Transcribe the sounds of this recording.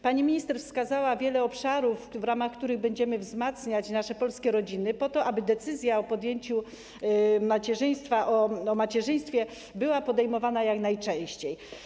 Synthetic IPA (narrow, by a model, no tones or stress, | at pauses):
paɲimʲiɲist̪ɛɾfskazawavʲjɛlɛɔpʂaɾufːɾamaxkt̪uɾɘɣbɛɲd͡ʑɛmɘvzmat̪sɲat͡ɕnaʂɛpɔlskʲɛɾɔd͡ʑinɘpɔt̪ɔʔabɘd̪ɛt̪sɘzʲjaɔpɔd̪jeɲt͡ɕu | mat͡ɕɛʐɘj̃st̪faʔɔɔmat͡ɕɛʐɘj̃st̪fʲjɛ | bɘwapɔd̪ɛjmɔvanajaknajt͡ʂɛ̃w̃ɕt͡ɕej